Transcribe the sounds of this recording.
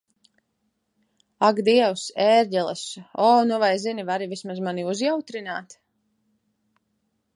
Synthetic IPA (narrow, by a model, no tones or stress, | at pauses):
aɡd̪iɛwsɛːɾɟʲɛlˠɛsɔːnuvajzinivaɾivismazmaniuzjawt̪ɾinaːt̪